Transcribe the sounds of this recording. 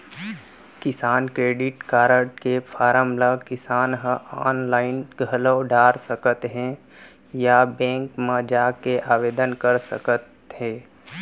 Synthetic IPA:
kɪsaːnkɾeːɖɪʈkaːɾəʈkepʰaːɾəmləkɪsaːnɦəaːnlaːɪnɡʱələːɖaːɾsəkət̪ɦɛ̃ | jabɛ̃ːŋkmad͡ʒaːkeʔaːʋeːd̪ənkəɾsə̰kət̪ | ɦɛ̃ː

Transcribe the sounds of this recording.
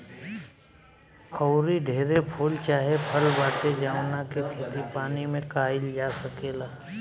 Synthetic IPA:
ɔʊɾiɖʱeːɾepʰoːlt͡ʃaːɦepʰəlbaːʈed͡ʒaːwnakikʰeːt̪ipaːnimẽkaːɪld͡ʒaːsəkeːlaː

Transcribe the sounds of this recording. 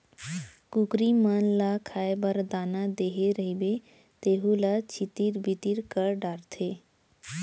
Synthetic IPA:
kukɾimənlakʰaːebəɾd̪aːnad̪eːɦeɾəɦibe | t̪eːɦulat͡ʃʰit̪iɾbit̪iɾkəɾɖaːɾt̪ʰeː

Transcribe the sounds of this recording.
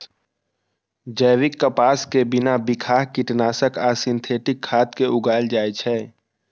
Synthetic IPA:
d͡ʒəːʋɪkːəpaːskebɪnabɪkʰaːɦkɪʈnaːsəkaːsɪ̃nt̪ʰeːʈɪkʰːaːt̪keʔʊɡaːld͡ʒaːet͡ʃʰɛː

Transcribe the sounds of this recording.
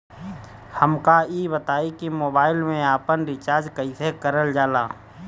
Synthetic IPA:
həmkaibət̪aːikimoːbaːɪlmẽaːpənɾɪt͡ʃaːɾd͡ʒkəisekəɾəld͡ʒaːlaː

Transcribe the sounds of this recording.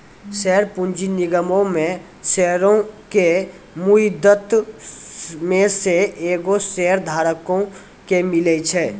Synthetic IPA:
sɛɦɾpund͡ʒiniɡəmõmẽ | sɛɾõke | muid̪ət̪ | mẽseeːɡosɛəɾd̪ʱaːɾəkõ | kemɪlɛt͡ʃʰɛ

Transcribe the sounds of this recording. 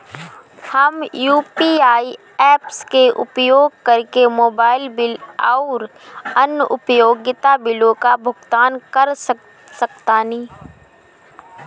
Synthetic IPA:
hɐmjuːpiːaːi | ɛːpskeʔʊ̰pjoːɡ̚kɐɾkemoːbaːɪlbɪlaʊɾ | ənəʔʊ̰pjoːɡɪt̪abɪlõkabʱʊɡt̪aːnkəɾs | səkt̪aːnĩː

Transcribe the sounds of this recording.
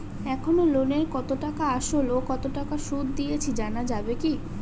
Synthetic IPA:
ɛkʰonoloneɾkɔt̪oʈakaaʃolokɔt̪oʈakaʃud̪ːijet͡ɕʰid͡ʑanad͡ʑabeki

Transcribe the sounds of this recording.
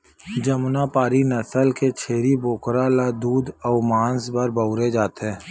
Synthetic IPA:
d͡ʒəmnapaːɾinəsəlket͡ʃʰeːɾiboːkɾalad̪uːd̪ɔːmaːnsbəɾbəʊɾed͡ʒaːt̪ɦɛ̃ː

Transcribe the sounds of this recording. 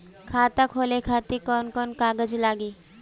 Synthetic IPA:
kʰaːt̪akʰoːlekʰaːt̪ikɔːnkɔːnkaːɡəd͡ʒlaːɡiː

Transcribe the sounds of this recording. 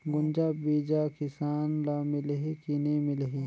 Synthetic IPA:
ɡʊnd͡ʒabiːd͡ʒakɪsaːnlaːmɪlɦikinemɪlɦi

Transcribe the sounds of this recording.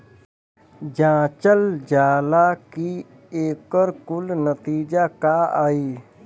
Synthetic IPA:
d͡ʒãːt͡ʃəld͡ʒaːlaːki | eːkəɾkʊlnət̪iːd͡ʒakaaːiː

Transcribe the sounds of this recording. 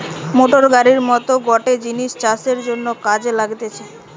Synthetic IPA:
moʈoɾɡaɾiɾmɔt̪oɡɔʈed͡ʑiniʃt͡ɕaseɾd͡ʑonːokad͡ʑlaɡt̪et͡ɕʰa

